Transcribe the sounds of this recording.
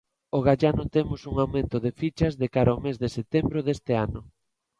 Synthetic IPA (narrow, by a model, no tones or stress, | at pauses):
oɣ̞aʎanʊt̪emʊsuŋawmẽnt̪ʊðefit͡ʃɐzðekaɾaomezðeset̪embɾoðest̪eanʊ